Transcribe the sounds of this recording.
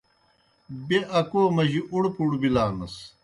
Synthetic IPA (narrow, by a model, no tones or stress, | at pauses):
beʔɐkoːmɐʑiʔuɽpuɽubilaːnɐs